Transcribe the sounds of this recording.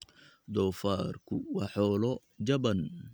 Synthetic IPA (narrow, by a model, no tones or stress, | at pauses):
d̪ɔːfaːrkʰʊwɑːħɔːlɔ | d͡ʒɐbɐn